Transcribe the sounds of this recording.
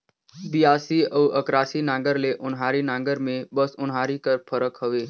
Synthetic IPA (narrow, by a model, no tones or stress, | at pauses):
bijaːsiəːəkɾaːsinãːŋɡəɾleʔʊnɦaːɾinãːɡəɾmẽbəsʊnɦaːɾikəɾpʰəɾəkɦəʋeː